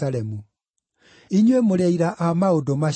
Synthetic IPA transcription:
aɾɛmu | iɲwemoɾɛiɾaʔamaodoma

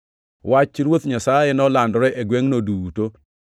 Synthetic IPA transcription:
wat͡ʃɾwot̪ɲasajɛnɔlandɔɾɛʔeɡweŋnoduto

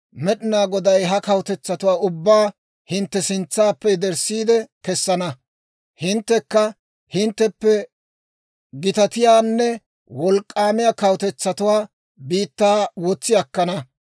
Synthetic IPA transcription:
mɛɗɪnaːɡɔd̪ɐjɦɐkɐwt̪ɛt͡sːɐt̪ʊwaːʔʊbːaː | hɪnt̪ːɛsɪnt͡sːaːpːɛd̪ɛɾsːiːd̪ɛkɛsːɐnɐ | hɪnt̪ːɛkːɐ | hɪnt̪ːɛpːɛ | ɡɪt̪ɐt̪ɪjaːnːɛ | wɔlkʼːaːmɪjaːkɐwt̪ɛt͡sːɐt̪ʊwaː | biːt̪ːaːwɔt͡sːɪjɐkːɐnɐ

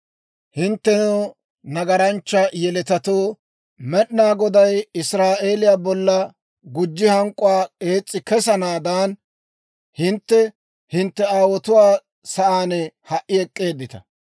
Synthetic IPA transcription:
hɪnt̪ːɛno | nɐɡɐɾɐnt͡ʃːɐjɛlɛt̪ɐt̪oː | mɛɗnaːɡɔd̪ɐjɪsɾaːʔe̞ːlɪjaːbɔlːɐ | ɡʊd͡ʒːɪhɐŋkʼʊwaːkʼe̞ːt͡sʼːɪkɛsɐnaːd̪aːn | hɪnt̪ːɛ | hɪnt̪ːɛaːwɔt̪ʊwaː | sɐʔaːnɛhɐʔːɪɛkʼːe̞ːd̪ːɪt̪ɐ̰

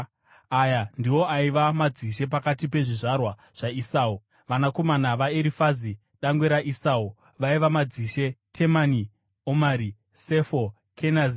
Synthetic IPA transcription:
ajandiwo̞aiʋamad͡ziʃ̬e̞p̬akatipe̞ʐiʐarwa | ʐ̥aisaːu | ʋanako̞manaʋaeɾifazi | ɗaŋɡweɾaʔisaːu | ʋaiʋamad͡ziʃe̞tʰe̞mani | omaɾi | se̞fo | kʰenazi

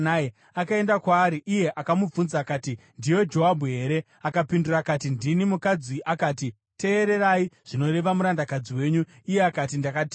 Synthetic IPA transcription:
nae | akae̞ndakwaːɾiʔije̞ʔakamub͡vunzakaːtindiwe̞d͡ʒo̞ɦabʱuɦe̞ːɾe̞ | akapindurakatindinimukad͡ziʔakaːti | te̞ːɾe̞ɾaiʐ̥ino̞ɾe̞ʋamuɾandakad͡ziwe̞ːɲu | ije̞akatindakat

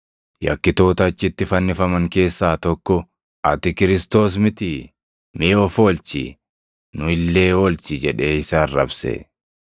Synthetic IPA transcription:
jɐ̰kːɪt̪o̞ːt̪ɐːt͡ʃːɪt̪ːɪfɐnːɪfɐmɐŋke̞ːsːaːt̪ɔkːɔ | ʔɐt̪ɪkɪɾɪst̪o̞ːs̬mɪt̪ɪ | meːɔfoːlt͡ʃɪ̰ | nʊɪlːe̞ːolt͡ʃɪd͡ʒɛᶑe̞ːɪsaːrːɐbsɛ̰

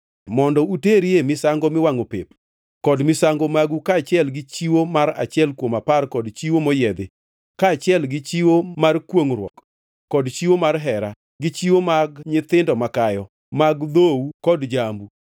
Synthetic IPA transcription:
mɔndɔuteɾiemɪsaŋɡomɪwaŋopep | kɔdmɪsaŋɡomaɡukaːt͡ʃɪɛlɡɪt͡ʃiwomaɾa̰t͡ʃɪɛlkwomaparkɔdt͡ʃiwomɔjɛd̪ɪ | kaːt͡ʃɪɛlɡɪt͡ʃiwomarkwoŋɾwɔ̰k | kːɔdt͡ʃiwomarɦɛɾa | ɡɪt͡ʃiwomaɡɲɪt̪ɪndɔmakajɔ | maɡd̪owukɔdd͡ʒambu

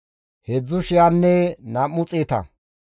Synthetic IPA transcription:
hɛd͡zːʊʃɪjanːɛnɐmːʊt͡sʼeːt̪ɐ̰

